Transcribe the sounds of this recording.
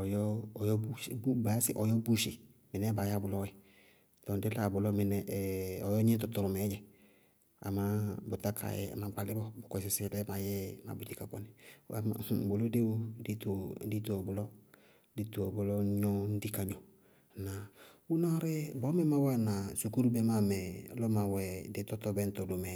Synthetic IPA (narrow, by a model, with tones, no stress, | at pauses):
ɔ˨jɔ˦˨jɔ˦bu˦˨bu˦ba˨a˦sɪ˦ʔɔ˨jɔ˦bu˦ʃɪ˨ | mɪ˨nɛ˦ba˨ja˦˨bʊ˨lɔ˦wɛ˨ | tɔ˨dɪ˦la˨bʊ˨lɔ˦mɪ˨nɛ˨ɔ˨jɔ˦ɲĩ˦t̪ɔ˨t̪ɔ˨ɾʊ˨mɛ˨˦d͡ʒɛ˨ | a̰˨ma˨˦bʊ˨ta˦kʰa̰˨jɛ̰˨a̰˨ma˨ɡ͡ba˨lɪ˦bɔ˦bʊ˨kɔ˨sɪ˨sɪ˦˨dɛ˦ma˨jɛ˦ma̰˨bu˨di˨ka˨kɔ˨nɪ˨wa̰˦˨bo˨lo˦de˦wo˦di˦to˨˦di˦to˨bʊ˨lɔ˦ | di˦to˨bʊ˨lɔ˦ɲɔ˦n̩˦di˦ka˨ɲɔ˨ | na˨u˦nɔ˦ɾɛ˦bɔ˨˦mɛ˦ma˦wa˦˨na˨su˨ku˦ɾu˦be˦ma˦˨mɛ˨˦lɔ˦ma˨wɛ˨de˦tɔ˦tɔ˦bɛ˦n̩˦tɔ˨do˨mɛ˨